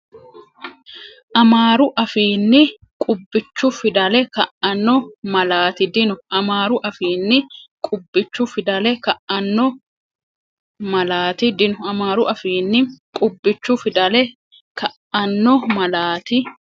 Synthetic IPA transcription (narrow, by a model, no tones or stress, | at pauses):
ʔɐmaːɾʊʔɐfiːnːɪ | kʼʊbːɪt͡ʃːʊfɪd̪ɐlɛkɐʔɐnːɔmɐlaːt̪ɪd̪ɪnʊɐmaːɾʊʔɐfiːnːɪkʼʊbːɪt͡ʃːʊfɪd̪ɐlɛkɐʔɐnːɔ | mɐlaːt̪ɪd̪ɪnʊɐmaːɾʊʔɐfiːnːɪkʼʊbːɪt͡ʃːʊfɪd̪ɐlɛ | kɐʔɐnːɔmɐlaːt̪ɪ